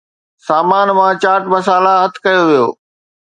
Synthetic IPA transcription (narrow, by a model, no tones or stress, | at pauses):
saːmaːnmãt͡ɕaːʈmɐs̬aːlaɦɐt̪ʰkɐjoʋijo̰ː